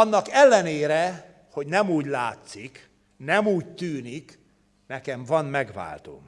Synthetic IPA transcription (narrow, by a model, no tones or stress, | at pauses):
ɒnːɒkɛlːɛneːɾɛ | ho̞ɟnɛmuːɟlaːt̪sik | nɛmuːct̪yːnik | nɛkɛɱvɒnmɛɡʋa̰ːlt̪o̰ːm